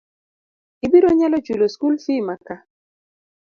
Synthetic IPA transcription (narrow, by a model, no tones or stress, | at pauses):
ibiɾoɲalɔt͡ʃwuloskulsimaka